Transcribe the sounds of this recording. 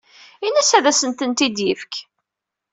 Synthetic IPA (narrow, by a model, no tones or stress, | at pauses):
inæsæðæsənt̪ənt̪id̪jəfk